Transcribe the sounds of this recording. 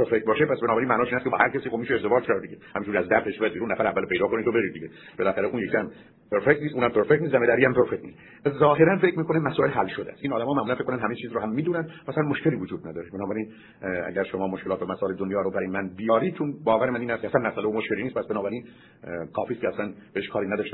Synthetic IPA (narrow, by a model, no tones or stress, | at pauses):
peɾfek̚t̪bɒːʃepʰæsbenɒːbæɾinmæʔnɒːʃiːnæskceɒːhæɾkʲʰæsiːxobmiːʃeeɾze̞vɑːd͡ʒkʰæɾd̪iɟehæminʃuɾæzd̪æɾfeʃbejæd̪̚beɾunːæfæɾævːælpʰe̞jd̪ɒːkʰonit̪ʰobeɾid̪iɟe | b̥elæxæɾeʔunjekʰihæm | pʰeɾfec̚t̪nist̪uːnhæmpʰeɾfekt̪nist̪d̪æmed̪æɾiːhæmpʰeɾfekt̪niːs | æzɒːɦe̞ɾænfekʰːmiːkʰonemæsɔːe̞lɦælʃod̪ḛæ̰st̪ʔinɒːd̪æmɒːmæʔmulænfekːonænɦæmet͡ʃʰiːzɾohæmːiːd̪uːnænd̪mæsælænmoʃkʰeliːvod͡ʒuːd̪̚næd̪ɒːɾebenɒːbæɾin | æ̰ɟæɾʃomɒːmoʃkelɒːt̪væmæsɒːeled̪onjɒːɾobæɾjemænbijɒːɾid̥̪̚t͡ʃʰonbɒːvæɾemæniːnhæst̪ʰʲeæsænmæsʔæleomoʃkʰʲeliːniːst̪pʰæsbenɒːbæɾiːn | kʰɒːfiːstkʰʲeæslænb̥eeʃkʰɒːɾiːnæd̪ɒːʃt̪e